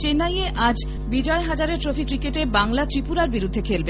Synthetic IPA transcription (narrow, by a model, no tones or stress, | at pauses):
t͡ɕenajeʔad͡ʑ | bid͡ʑɔeɦad͡ʑaɾeɾtɾofikːɾikeʈebaŋlat̪ɾipuɾaɾbiɾud̪ʱːekʰelbe